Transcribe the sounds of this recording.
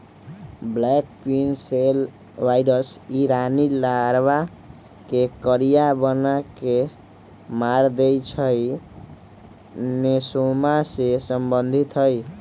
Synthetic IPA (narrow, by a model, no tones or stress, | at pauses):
blɛk̚pinsel | wajɾəsiɾanilaɾba | kekəɾijabənake | maɾd̪ejt͡ʃʰəj | nesomasesəmbənd̪ʱit̪ɦəj